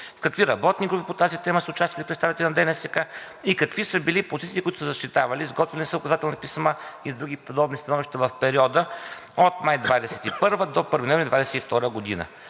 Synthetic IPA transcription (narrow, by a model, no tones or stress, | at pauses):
fkɐkviɾɐbɔt̪niɡɾupipot̪azit̪ɛməsəʊt͡ʃast̪vɐlifpɾɛt̪st̪avit̪ɛlʲinɐd̪ɛnɛsɛka | ikɐkvisəbilipozit̪siːkʊit̪ʊsəzɐʃt̪it̪avɐlizɡɔt̪vɛlnisəʊkɐzat̪ɛlˠnɐpismaid̪ɾuɡ̟ʲipod̪ɔbnist̪ɐnɔviʃt̪əvɐfpɛɾiɔd̪ə | ot̪majd̪vad̪ɛsɛ̥t̪ipɤɾvəd̪opəɾvinɔvnd̪vad̪ɛsɛt̪ift̪ɔɾəɡod̪ḭnə̰